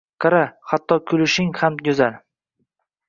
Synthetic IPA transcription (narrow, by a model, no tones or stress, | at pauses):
qaɾahat̪ʰːɒkʰʊlɪʃɪŋhamjʊzaɾ